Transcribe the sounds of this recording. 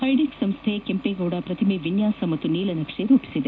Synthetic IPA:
ɐjɖiksɐmst̪ʰekempeɡoːɽɐpɾɐt̪ʰɐmiʋinjaːsɐmɐt̪ːuniːlɐnɐkʂeɾuːpi̥sid̪e

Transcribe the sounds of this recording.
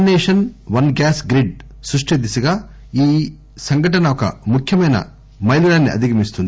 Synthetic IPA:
neːʂɐnʋɐnɡaːsɡɾiɖ | sɾuʂʈed̪isɐɡaː | iː | sɐŋɡɐʈ̬ɐnɐɔkɐ̰mukʰjɐmɐjnɐ̰ | mɐjlulaːnːiɐ̰d̪ʱiɡɐmist̪und̪i

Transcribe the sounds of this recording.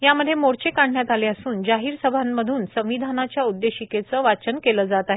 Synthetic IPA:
jaməd̪ʱjemoɽt͡ɕekaɳ̤ɳjat̪aleəsuːnd͡ʑaɦiːɾsəbʱaməd̪ʱuːnsə̃ʋ̃ʋid̪ʱanat͡ɕjaud̪ːeɕiket͡səʋat͡ɕənkeləd͡zat̪aɦe

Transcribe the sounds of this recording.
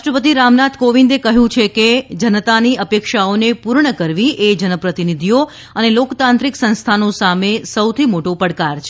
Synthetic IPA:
ʃʈɾəpət̪̬iɾamnat̪koʋind̪ekəɦjũt͡ʃʰeked͡ʒənət̪aniʔəpekʃaonepuɾɳəkəɾʋiʔed͡ʒənəpɾət̪inid̪ʱijo | ənelokt̪ãnt̪ɾiksə̃nst̪ʰanosamesəwt̪ʰimoʈopəɽkaɾt͡ʃʰe

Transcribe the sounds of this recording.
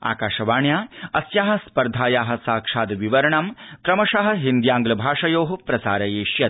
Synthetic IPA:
a̰ːkaːʂɐʋaːɳjaːɐsjaːɦɐ̆spɐɾd̪ʱaːjaːɦɐ̆saːkʂaːd̪ʋiʋɐɾɐɳɐmkɾɐmɐʂɐɦɐ̆ɦind̪jaːŋɡlɐbʱaːʂɐjoːɦɐpɾɐsaːɾɐjeːʃjɐt̪̚

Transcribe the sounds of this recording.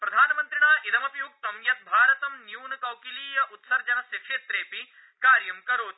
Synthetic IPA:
pɾɐd̪ʱaːnɐmɐnt̪ɾiɳaːʔid̪ɐmɐpjuɡ̚t̪ɐwjɐt̪̚bʱaːɾɐt̪ɐmnjuːnɐkɐwkiliːjɐʔut̪sɐɾd͡ʑɐnɐsikʂeːt̪ɾeːpi | kaːɾjɐmkɐɾoːt̪

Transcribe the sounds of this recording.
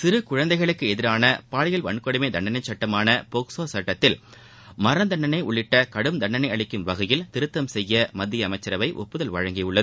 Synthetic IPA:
sɪɾɯkʊɻɐnd̪ɐɪɣɐɭɯkːɯɛðɪɾaːnɐpaːɭɐjɐlʋɐɳkɔɽɯmeɪd̪ɐɳɖɐnɐɪt͡ʃsɐʈːɐmaːnɐpɔksoːsɐʈːɐt̪ːɪl | mɐɾɐnd̪ɐɳːɐnɐɪʔʊɭːɪʈːɐkɐɽɯmd̪ɐɳːɐnɐɪɐɭɪkːɯmʋɐɣɐjɪlt̪ɪɾɯt̪ːɐmsɛjːɐmɐd̪ːɪjɐmɐɪt͡ʃːɐɾɐʋɐɪʔɔ̰pːɯðɐlʋɐɻɐŋɡɪjɯɭːɐðɯ

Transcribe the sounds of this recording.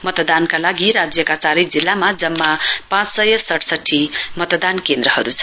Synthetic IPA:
mʌt̪d̪ankalaɡiɾad͡zjʌkat͡saɾʌjd͡zilːamad͡zʌmːapãt͡ssʌjʌrsʌʈʰsʌʈʰːimʌt̪d̪ankend̪ɾʌhʌɾut͡sʰʌ

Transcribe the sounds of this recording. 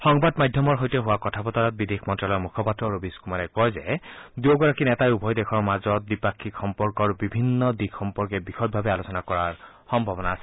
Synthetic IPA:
xɔŋbadmajdʱjɔmɔɹɦojtɛɦʊwakɔtʰapɔtaɹɔt̚bidekʰmɔntɹalɔjmukʰɔpatɹɔɹobiskumaɹɛkɔjzɛ̰duoɡɔɹakinɛtajubʱɔjdɛxʰɔɹmazɔt̚dipakʰːikxɔmpɔɹkɔɹbibʱinːɔdikxɔmpɔɹkɛbixɔt̚bʱabɛalosɔnakɔɹaɹ | xɔmbʱɔbɔnaasɛ̥

